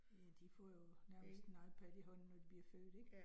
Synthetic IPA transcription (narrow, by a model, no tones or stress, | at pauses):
jæd̥ifɒjo̝næɐməsd̥enɑ̈ɪð̩ˠpʰæd̥iɦɔ̽n̰ːɒd̥ib̥liɐfø̰ːd̥eɡ̥